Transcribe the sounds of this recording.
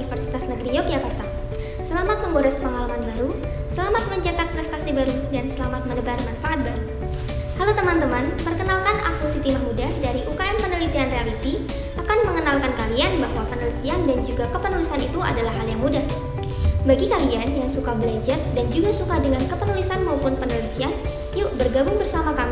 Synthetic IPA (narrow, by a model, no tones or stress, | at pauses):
ifərsi̥t̪asnəɡɾijokjakat̪a | səlamat̪̚məŋɡoɾɛspəŋalamanbaɾu | səlamat̪̚məɲt͡ʃat̪ak̚pɾɛst̪asibaɾudansəlamat̪̚mənəbarmanfaʔat̪̚baɾu | halut̪əmant̪əmanpərkənalkanʔa̰kusit̪iɦak̚mudahdaɾiʔukaɛmpənəlit̪ianrealit̪i | ʔakanməŋənalkankalianbaɦwapənəlit̪iandand͡ʒuɡakəpənulisanit̪ua̰dalahɦːaljaŋmudah | baɡikalianjaŋsukabəlad͡ʒardand͡ʒuɡasukadəŋankəpənulisanmaupʊnpənəlit̪ian | jʊʔbərɡabʊŋbərsamakami